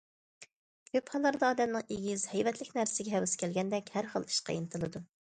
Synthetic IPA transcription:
kʲʰøphɑlˠːɑɾd̪ɑɑːd̪ɛmnɨŋeɡʲiz̥hɛjvɛt̪ʰlɪkʲnæɾsɪɡʲɛɦɛwɨskʲʰɛlɡʲɛnd̪ɛkʲhæɾχə̰lˠi̥ʃqʰɑ̰jinɨt̪ʰɨlˠɨd̪u

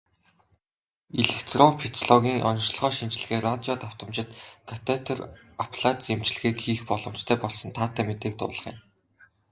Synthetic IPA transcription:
iɮɘ̆xt͡srɔpʰit̪ʰɔɮɔɣʲiːŋʔɔ̰nʃɮ̆ʁɔːʃint͡ɕɪ̆ɮ̆ɣeːrat͡ɕɔːt̪aw̥t̪ə̆mt͡ɕɪ̆t̪kʰat̪ʰet̪ʰɔr | apʰɮat͡s̪sem̥t͡ɕɮ̆ɣeːkxiːxpɔɮɞ̆mt͡ɕt̪ʰæːpɔɮsɞ̆nt̪ʰaːt̪ʰːæːmet̪eːk̚t̪ʊ̰ːɮə̆χḭn

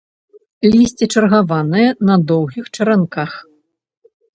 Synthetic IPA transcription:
lʲisʲt͡sʲit͡ʂɐrɣavanɨjɛnɐd̪ɔwɣʲixt͡ʂɐɾankax

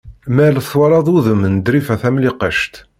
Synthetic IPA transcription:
mælθwɑɾˤɑðˤuðəmnd̪ɾifæθæmliqəʃt̪

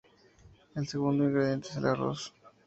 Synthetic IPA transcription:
elseɣund̪oiŋɡɾeðje̞nt̪eselaro̰s

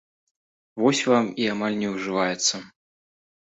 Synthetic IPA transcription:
vɔsʲvamiamalʲnʲɛwʐɨvajɛt̪sːɐ

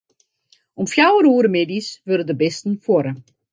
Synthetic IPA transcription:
ɔmfjawəɾuːɾəmeːdisʋølədəbɛstn̩fwɔɾə

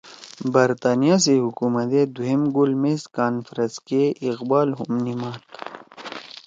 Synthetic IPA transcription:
bɐɾt̪aːnijas̬eɦukuːmɐt̪ed̪uɦemɡulmeskaːnfɾɐskeʔiqbaːlɦumnimaːt̪

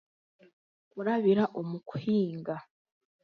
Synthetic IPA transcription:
kuɾaβiɾaʔomuku̥hiːŋɡa

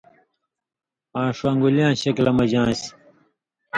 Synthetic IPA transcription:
ãːʂwãːŋɡuljãːɕɐklɐmɐd͡ʑãːsi̥

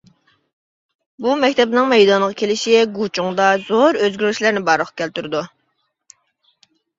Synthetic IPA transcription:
bumɛkʲt̪ʰɛbnɪŋmɛjd̪ɑnəʁɑkʲʰelɪʃiɡut͡ʃʰuŋd̪ɑz̥oɾøzɡʲyɾyʃlæɾnɪbɑɾlˠəqkʲʰɛlt̪yɾɪd̪u

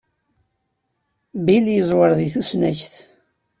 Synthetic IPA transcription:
biljəzˤwəɾˤðiθusnæçθ

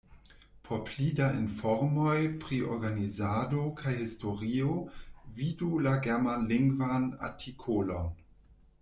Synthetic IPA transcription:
pʰopʰlidainfɔɾmojpʁiʔo̰ɾɡanizadokʰajhistoʁiovidulaɡɛmanliŋɡvana̰tʰikʰolon

